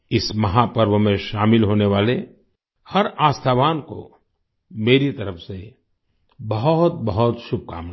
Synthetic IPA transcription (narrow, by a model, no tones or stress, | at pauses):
ɪsmɐɦapəɾʋəmẽʃaːmɪlɦoːneʋaːle | hɐɾaːst̪ʰaːʋaːnko̰ | meːɾit̪ɐɾəfse | bɐɦʊɦʊt̪̚bɐɦʊt̪ʃʊb̚ka̰ːm